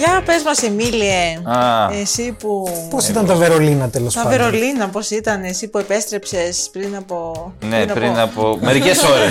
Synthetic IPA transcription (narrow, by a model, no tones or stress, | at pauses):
jɐpe̞zmɐsemilieɐesipuposit̪ɐnt̪ɐveɾo̞linɐt̪elost̪ɐveɾo̞linɐpo̞sit̪ɐnesipue̞pe̞st̪ɾe̞pse̞spɾinɐpo̞neɐpɾinɐpomeɾikesoɾe